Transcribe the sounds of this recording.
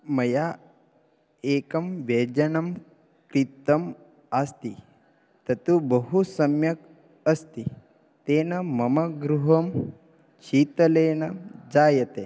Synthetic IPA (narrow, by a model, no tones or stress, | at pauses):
mɐja | eːkɐmʋeːd͡ʒɐnɐm | kɾit̪ɐm | ast̪i | t̪ɐt̪ubɐɦusɐmjɐk | ɐst̪i | t̪eːnɐmɐmɐɡɾuɦɐm | t͡ʃiːt̪ɐleːnɐd͡zaːjɐt̪e